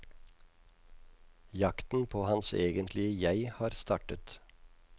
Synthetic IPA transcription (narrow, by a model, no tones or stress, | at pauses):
jɑkt̪n̩pʰoːhɑnseːɡənt̪ʰlɪəjæɪhɑːɾst̪ɑːʈət̪